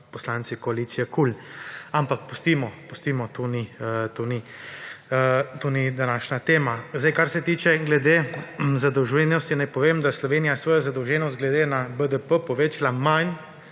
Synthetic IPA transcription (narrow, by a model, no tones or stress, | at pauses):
pɔslant̪sikɔaliːt̪sijɛkulampak̚pɔst̪iːmɔpɔst̪imɔt̪onit̪oni | t̪oːnid̪anaːʃnat̪eːmazd̪ajkaɾsɛt̪iːt͡ʃɛɡlɛd̪eːzad̪ɔwʒɛnɔst̪inajpɔʋeːmd̪aslɔʋeːnijasʋɔːjazad̪əwʒɛːnɔst̪̚ɡlɛd̪eːnabəd̪əpəpɔʋeːt͡ʃalaman